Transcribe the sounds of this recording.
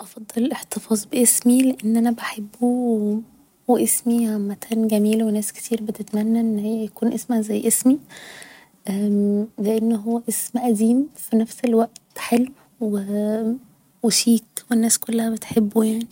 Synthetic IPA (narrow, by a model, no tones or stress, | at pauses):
ʔɑfɑd̪ˤːɑlʔeħt̪efɑːzˤbeʔesmileʔenːʔænæbaħebːuwe | wæʔesmimæk̪ʰæːnɡæmiːlwenæːske̥t̪ʰiːɾbet̪et̪mænːæʔenːhejːæjækuːnʔesmæzæjːʔesmi | ʔæleʔenːɦowːæʔesmʔæd̪iːmfinæfselwæʔt̪ħelw | we | weʃiːt̪wenːæːskolːæhæbet̪ħebːujaʕni